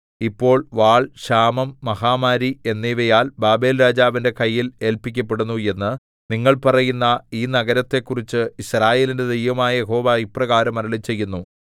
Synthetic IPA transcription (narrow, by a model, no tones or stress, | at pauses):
ipːo̞ːɭʋaːɭɕaːmɐmːɐhaːmaːɾie̞nːiʋɐjaːlbaːbe̞ːlɾaːd͡ʑaːʋinde̞kɐjːile̞ːlpikʲːɐpːe̞ɽunːue̞nːɨ | niŋːɐɭpɐrɐjunːɐiːnɐɣɐɾɐt̪ːe̞kːurit͡ɕːɨiɕraːje̞ːlinde̞d̪ejʋɐmaːjɐjeɦo̞ːʋaiprɐɣaːɾɐmɐɾɐɭit͡ɕːe̞jːunːu